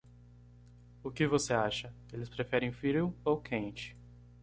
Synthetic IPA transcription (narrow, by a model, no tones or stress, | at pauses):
ʊkɪvoseaʃɐ | elɪspɾefɛɾẽj̃fiɾʊowkʰẽnt͡ʃɪ̥